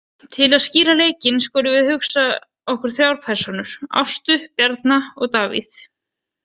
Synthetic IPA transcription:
t̪ʰɪlaðsciːɾaleːjcɪnskɔːɾʏvɪðhʏxsa | ɔhkʏɾ̥θɾjawɾpʰɛɾ̥sɔnʏɾ̥a̰wst̪ʏpjɛɾt̪naɔɣt̪aːvḭθ

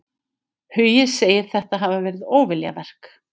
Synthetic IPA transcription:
hʏjɪðseːjɪɾ̥θɛht̪aɦavavɛːɾɪðoːwvɪlja̰vɛr̥k

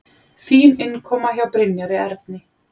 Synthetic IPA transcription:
θiːnɪnkʰɔːmaçawpɾɪnjaɾɪɛɾt̪̚nɪ

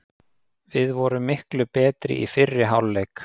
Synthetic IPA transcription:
vɪðvɔɾʏmːɪhklʏpɛːt̪ɾɪ̰ʔifɪrːɪɦawlːejk

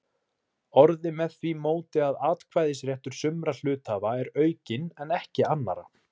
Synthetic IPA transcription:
ɔɾðɪmɛðθvimoːwt̪ɪaðaːt̪kʰvajðɪsɾjɛht̪ʏɾ̥sʏmɾal̥ʏːt̪havaɛɾœːɥcɪnɛnɛhcɪanːa̰ɾa̰

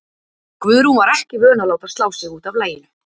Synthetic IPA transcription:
kvʏðɾunvaɾɛhcɪvœːnalaːwt̪av̥st̪aːwsɪɣuːt̪avlaːjɪnʏ

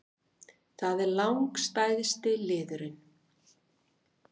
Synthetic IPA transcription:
θaðɛɾlawŋkst̪aːjðɪst̪ɪlɪːðʏɾɪn

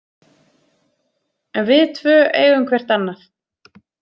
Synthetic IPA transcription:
ɛnvɪðt̪ʰvœːʔḛːjɣʏmkʰvɛr̥t̪anːaθ

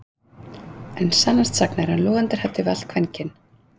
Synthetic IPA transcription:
ɛnsanːast̪saknaɾhanlɔːɣant̪ɪɾ̥hat̪ːɪval̥kʰvɛncɪn

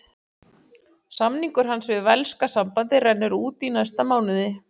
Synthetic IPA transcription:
samniŋkʏɾ̥ɦansvɪðvɛlskasampant̪ɪɾɛnːʏɾuːt̪inajst̪amaːwnɪðɪ

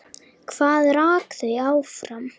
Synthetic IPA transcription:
kʰv̥aːðɾaːkθʏawfɾam

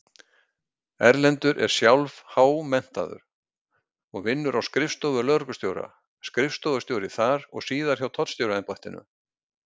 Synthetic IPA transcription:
ɛɾlɛnt̪ʏɾʔɛ̰ɾ̥sjawlvhaːwmɛn̥t̪a̰ðʏ̰ɾ | ɔɣvɪnːʏɾawskɾɪfst̪ɔvʏɾlœɾkʏst̪jowɾa̰ | skɾɪfst̪ɔvʏ̥ɾst̪jowɾɪθaɾɔɣsiːðaɾ̥çawt̪ʰɔt̪st̪joːwɾaɛnpɔjht̪ɪnːʏ̰

